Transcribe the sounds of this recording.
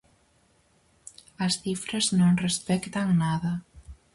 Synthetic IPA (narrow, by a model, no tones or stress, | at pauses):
əsθifɾəznonrespɛkt̪əŋnaðə